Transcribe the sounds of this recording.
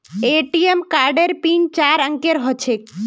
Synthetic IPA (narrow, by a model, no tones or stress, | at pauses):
eʈiemkaɾɖeɾpint͡ɕaɾəŋkeɾɦɔt͡ɕʰek